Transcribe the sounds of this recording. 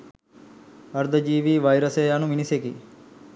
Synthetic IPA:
ɐɾd̪ʱəd͡ʒiːʋiːʋajɾəseanuminiseki

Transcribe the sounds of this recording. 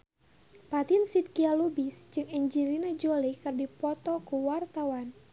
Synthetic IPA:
pat̪insit̪̚kialubisd͡ʒɨŋɛɲd͡ʒilinad͡ʒolikɨrdipɔt̪ɔkuwart̪awan

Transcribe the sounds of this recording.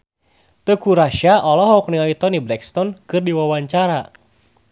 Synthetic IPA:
t̪əkuɾaʃaʔɔlɔɦɔk̚niait̪ɔniblɛkst̪ɔnkɨrdiwawaɲt͡ʃaɾa

